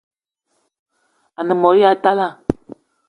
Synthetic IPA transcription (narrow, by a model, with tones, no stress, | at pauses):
a˨nə˨mɔ˨ja˨ta˦la˦˨